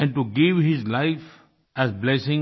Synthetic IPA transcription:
ɛ̃ɳʈuɡɪʋhɪzlaɪf | æzblɛsɪ̃ŋ

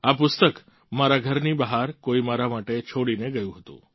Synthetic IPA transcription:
apʊst̪ək | maɾaɡʱəɾnibəɦaɾkoimaɾamaʈet͡ʃʰoɽineɡəjũɦət̪ṵ̃

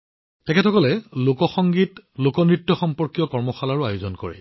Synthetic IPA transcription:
tɛkʰetʰɔkɔlɛlokɔxɔŋɡitlokɔnɹitːɔxɔmpɔɹkijɔkɔɹmɔxalaɹʊajozɔnkɔ̰ɹɛ̰

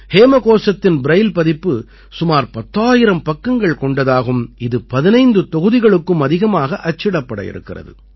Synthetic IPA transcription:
heːmɐkoːsɐt̪ːɪnbɪɾɐjlpɐðɪpːɯ | sʊmaːɾpɐt̪ːaːjɪɾɐmpɐkːɐŋɡɐɭkɔɳɖɐðaːɣɯmɪðɯpɐðɪnɐɪnd̪ɯt̪ɔɣɯðɪɣɐɭɯkːɯmɐðɪɣɐmaːɣɐʔɐt͡ʃːɪɽɐpːɐɽɐ̰jɪ̰ɾɯ̰kːɪrɐ̰ðɯ̰

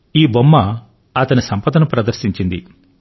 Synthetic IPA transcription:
iːbomːɐ | ɐt̪ɐnisɐmpɐd̪ɐnɐpɾɐd̪ɐɾsiɲt͡ʃind̪ḭ

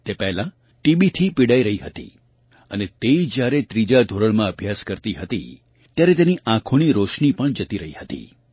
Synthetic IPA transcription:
t̪epɛɦlã | ʈibit̪ʰipiɽaiɾəɦiɦət̪ḭ | ənet̪eid͡ʒjaɾet̪ɾid͡ʒad̪ʱoɾəɭmãəbʱjaskəɾt̪iɦət̪ḭ | t̪jaɾet̪eniʔãkʰoɽ̃iɾoʃɳipəɳd͡ʒət̪iɾəɦihət̪ḭ

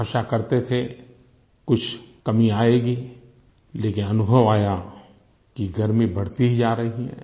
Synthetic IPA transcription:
əʃakɐɾt̪et̪ʰe | kʊt͡ʃʰkɐmiaːeːɡiː | leːkɪnɐnʊbʱəʋaːja | kiɡʱɐɾmĩbɐɽ̤t̪id͡ʒaːɾɐɦiɦɛ̰̃ː

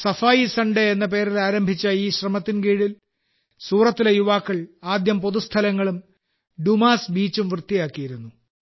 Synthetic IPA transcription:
sɐfaːjisɐɳɖeenːɐp̬e̞ːɾilaːɾɐmbʱit͡ɕːɐiːɕrɐmɐt̪ːinkeːɻil | suːrɐt̪ːilejuʋaːkːɐɭaːd̪jɐmpoðust̪ʰɐlɐŋːɐɭum | ɖumaːsbiːt͡ɕːumʋrt̪ːijaːkːijiɾunːu

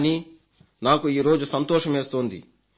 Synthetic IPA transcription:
niː | naːkuiːɾo̞ːd͡ʒusɐnt̪ɔːʂɐmeːst̪oːnd̪ḭ

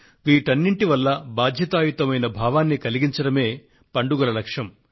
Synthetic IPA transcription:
ʋiːʈɐnːiɳʈiʋɐlːɐbaːd̪ʱjɐt̪aːjut̪ɐmɐjnɐbʱaːʋaːnːikɐliɡiɲt͡ʃɐɽɐme̞ː | pɐɳɖuɡɐlɐlɐkʂɐm

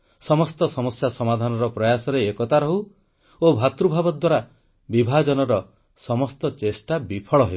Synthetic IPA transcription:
sɔmɔst̪ɔsɔmɔsjasɔmad̪ʱanɔɾɔpɾɔjasɔɾeekɔt̪aɾɔɦu | obʱat̪ɾubʱabɔd̪waɾa | bibʱad͡ʒɔnɔɾɔ | sɔmɔst̪ɔt͡ʃesʈabipʰɔɭɔɦe

